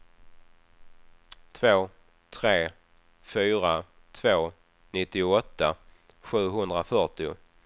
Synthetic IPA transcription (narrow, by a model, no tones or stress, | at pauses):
t̪ʰvoː | t̪ʰɾeː | fyːɾa | t̪ʰvoː | nɪt̪ːɪʊɔt̪ːa | ɧʉ̟ːɦɵnd̪ɾafœʈɪʊ̰